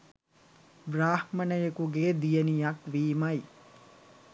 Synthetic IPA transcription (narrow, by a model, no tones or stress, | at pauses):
bɾaːhmɐnəjekuɡeːd̪ijənijɐkʋiːmɐj